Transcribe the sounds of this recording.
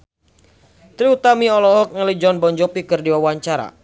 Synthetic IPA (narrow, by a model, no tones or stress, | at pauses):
t̪ɾiut̪amiɔlɔɦɔk̚nɛlid͡ʒɔnbɔɲd͡ʒɔpikərdiwawaɲt͡ʃaɾa̰